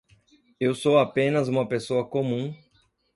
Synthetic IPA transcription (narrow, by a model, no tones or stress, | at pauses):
ewsowapẽnɐzũmɐpesoɐkomũ